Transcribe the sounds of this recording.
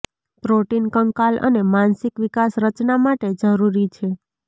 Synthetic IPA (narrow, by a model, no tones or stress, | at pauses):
pɾoʈinkəŋkalʔə̰nemansikʋikasɾət͡ʃnamaʈed͡ʒəɾuɾit͡ʃʰe